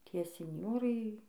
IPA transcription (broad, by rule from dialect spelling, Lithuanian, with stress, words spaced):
ˈtʲiɛ sʲɪnʲˈjoːrɐɪ